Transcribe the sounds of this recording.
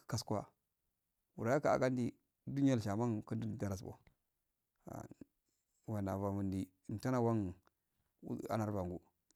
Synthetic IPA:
ka˦skʷa̰˦ | wu˨ɾa˨ja˦ka̰˨ɡa˦n˦di˦ | du˦n˦a˦˨lʃa˨ma˦ŋkə˦ndu˦n˨da˦ɾa˨s̬bo̰˨ | a̰˨ | wa˨na˨va˨mu˨ndi˨n˨ta˦na˦˨wa˦ŋ̰˦ | a̰˦na˨ɾva˨ŋɡu˦

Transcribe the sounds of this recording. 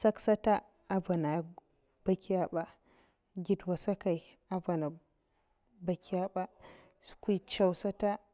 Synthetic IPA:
sa˦ksa˦ta˦ | a˦ba˨na˨ | b̥a˦ki˦ja˦ɓa˨ | ɡʲi˨dwa˨sa˦ka˨i˨ | a˦ba˨na˨ | ba˦kʲi˦ja˦ɓa˦ | su̥˦kʷi˦t͡ʃa˨wsa˦ta˦

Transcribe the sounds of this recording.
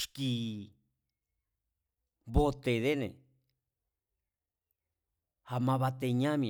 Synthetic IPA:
ʃki˧ | βo˦t̪e˨ðe˦nḛ̃˨ | ha˧mã˧βa˧t̪e˧ɲã˦mĩ˧˨

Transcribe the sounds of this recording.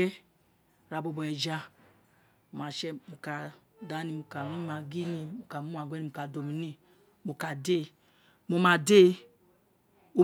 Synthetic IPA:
ɛ˦ | ɾa˨bo˨bo˨ɛ˨d͡ʒa˦˨ | ma˨ʃɛ˦mu˨ka˨da˨˦ni˨mu˨ka˨mi˦ma˨ɡi˦ni˨mu˨ka˨mu˦a˨ɡʷɛ˦ni˨u˨ka˨do˨mi˨ni˦ | mu˨ka˨de˦ | mo˨ma˨de˦ | o˦

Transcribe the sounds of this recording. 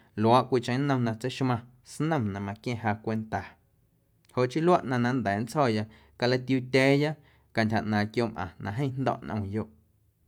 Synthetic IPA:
lo˨a˦ʔkʷi˧˨t͡ʃə̃˧˦nə̃˧m˧nã˧t͡se˦ʃmã˧ | snə̃˦˨mnã˧mã˧kjẽ˦˧ɦaː˧kʷe˧nt̪a˨ | ho˨ʔt͡ʃi˦lwa˦ʔnã˧nã˧nd̪ɛ˨n˦t͡shɔː˦˨ja˧ʔ | ka˧la˦t̪ju˧t̪ʲɛː˦ja˦ʔ | ka˧ntʲha˨ʔnãː˨kjo˦mʔã̰˨nã˧ɦə̃˦˧nd̪ɔ̰˧˨ʔnʔə̃˧˨joː˦ʔ

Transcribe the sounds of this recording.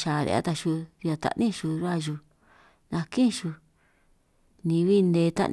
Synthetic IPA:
ʃa˨ɾḛ˧a̰˦t̪a˧ʃu˧ɾi˧a˧t̪a̰˧ʔnĩ˦˧ʃu˧ɾa˦˧ʒu˧ | nã˧kĩ˦˧ʃu˧ | nĩ˧βi˦˧nd̪e˧t̪a̰˦ʔn

